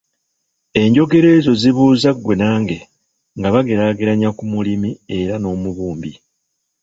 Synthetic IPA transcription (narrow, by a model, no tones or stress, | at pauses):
e̞ɲɟo̞ɡe̞ɾe̞ːzo̞ziβuːzaɡwe̞naːŋɡe̞ | ŋɡaβaɡe̞ɾaɡeɾaɲakumulimie̞ɾano̞ːmuβuːmbi